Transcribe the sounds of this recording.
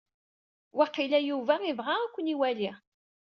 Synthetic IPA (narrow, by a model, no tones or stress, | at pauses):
waqilæjuvæivʁaækʷːəniwæliʁ